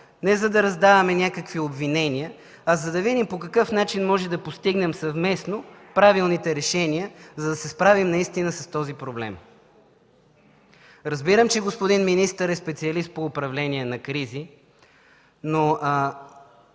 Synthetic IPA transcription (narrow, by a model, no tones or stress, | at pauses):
nɛzɐd̪ɐɾɐzd̪avɐmɛnʲakəkviobvinɛniə | ɐzɐd̪ɐvid̪impokɐkɤfn̪at͡ʃinmɔʒɛd̪ɐpost̪iɡnɛmsɐvmɛsnopɾavilˠnit̪ɛɾɛʃɛniəzɐd̪ɐsɛspɾavimnɐist̪inəsɐst̪ɔzipɾoblɛ̰m | ɾɐzbiɾəmt͡ʃɛɡospʊd̪inminist̪əɾɛspɛt̪siɐlist̪̚poʊpɾɐvlɛniɛnɐkɾizi | no